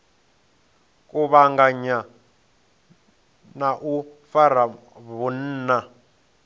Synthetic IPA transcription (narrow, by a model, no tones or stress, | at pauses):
kʼuβaŋɡaɲa | naʔufaɾ̤a | βun̩ːna